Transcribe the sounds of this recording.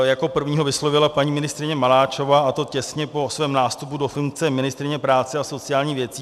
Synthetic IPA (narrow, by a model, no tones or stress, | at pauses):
jako̞pr̩vɲiːɦo̞vɪslovɪlapaɲiːmɪnɪst̪ɾɪɲɛmalaːt͡ʃo̞vaːʔat̪o̞cɛsɲɛpo̞svɛːmnaːst̪upudo̞fuŋk̚t͡sɛmɪnɪst̪ɾɪɲɛpɾaːt͡sɛaso̞t͡sɪjaːlɲiːvjɛt͡siː